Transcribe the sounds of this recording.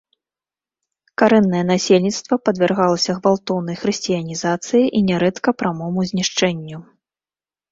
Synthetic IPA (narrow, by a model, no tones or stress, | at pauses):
kaɾɛnːɐjɛnasʲelʲnʲit̪st̪vɐpɐd̪vʲɛrɣalˠɐsʲɐɣvalˠt̪ɔwnɐjxɾɨsʲt͡sʲijɐnʲizat̪sɨjiʔinʲɛɾɛt̪kɐpɾamɔmuzʲnʲiʂt͡ʂɛnʲːu